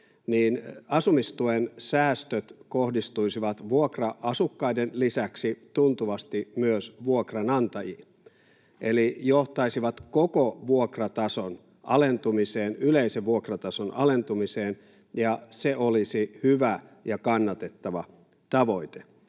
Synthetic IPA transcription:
niːnɑsumist̪uensæːst̪øt̪kohdist̪uisiʋɑt̪ʋuokrɑʔɑsukːɑidenlisæksit̪unt̪uʋɑst̪imyøsʋuokrɑnɑnt̪ɑji | ʔelijoht̪ɑisiʋɑt̪kokoʋuokrɑt̪ɑson | ʔɑlent̪umiseːnyleiseʋʋuokrɑt̪ɑsonʔɑ̰le̞nt̪umiseːn | jɑseʔolisihyʋæjɑkɑnːɑt̪e̞t̪ːɑʋɑ | t̪ɑʋoit̪e̥

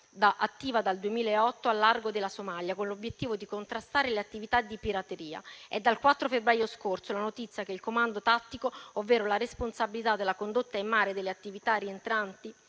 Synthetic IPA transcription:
d̪aʔat̪ːiːvad̪ald̪uemiːlaeɔt̪ːoalːarɡod̪elːasomaljakonlobjet̪ːiːvod̪ikont̪ɾast̪aːɾeleat̪ːivit̪ad̪ːipiɾat̪eɾiːa̰ɛd̪ːalkwat̪ːɾofebːɾaːjoskorsolanot̪it̪sːjakeilkomand̪ot̪at̪ːikoovːeːɾolaɾesponsabilit̪ad̪ːelːakond̪ot̪ːaimːaːɾed̪elːeat̪ːivit̪arient̪ɾant̪i

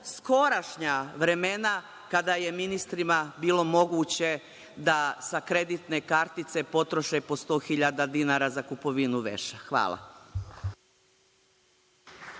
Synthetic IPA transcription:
sko̞ɾaʃɲaʋɾe̞mena | kad̪aje̞minist̪ɾimabiːlˠo̞mo̞ɡuːt͡ɕe | d̪asakɾe̞d̪it̪ne̞kaɾt̪it̪se̞po̞t̪ɾo̞ʃepo̞st̪o̞ːxiʎad̪ad̪inaːɾazakupo̞ʋinuʋḛʃaxʋa̰ːlˠa̰

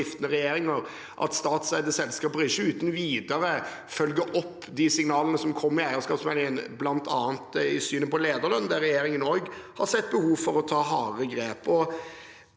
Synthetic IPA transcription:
ɪft̪ənəɾɛjeːɾɪŋəɾ | ʔɑ̰t̪st̪ɑːt̪sæɪd̪əsɛlːskɑːpəlɪçːəʉːt̪n̩ʋiːd̪əɾə | fœlɡəɾʔɔpː | d̪ɪsɪŋnɑːlənəsɔmkʰɔmːɪæɪəskɑːpsmɛːlɪŋənblɑnt̪ʰɑ̰ːnt̪ɪsyːnəpɔleːd̪əɾlɑnd̪æɾːɛjeːɾɪŋənoːɡhɑɾsɛt̪̚ːbəhuːʋfɔɾɔt̪ʰɑːɦɑːʁəɡɾeːpɔ

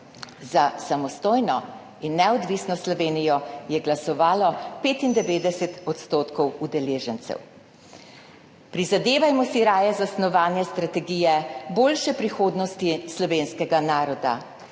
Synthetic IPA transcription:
zasamɔst̪oːjnɔ | inːɛɔd̪ʋisnɔslɔʋeːnijɔjɛɡlasɔʋaːlɔpeːt̪ind̪ɛʋeːd̪ɛsɛt̪ɔt̪st̪oːt̪kɔwud̪ɛleːʒɛnt̪sɛ̰w | pɾizad̪eːʋajmɔsiɾaːjɛzasnɔʋaːnjɛst̪ɾat̪ɛɡiːjɛboːlʃɛpɾixoːd̪nɔst̪islɔʋenskɛɡanaːɾɔd̪a̰

